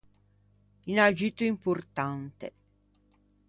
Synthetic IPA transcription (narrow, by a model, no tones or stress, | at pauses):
inad͡ʒit̪oimport̪ant̪e